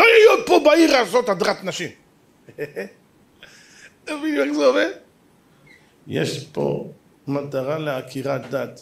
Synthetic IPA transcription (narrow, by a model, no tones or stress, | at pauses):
lojajod̪̚pobaiʁaːzot̪ad̪ʁat̪naʃim | eviniɛχzɛoved | jḛʃpo̰ | mat̪aʁaleakʰiʁat̪̚d̪at̪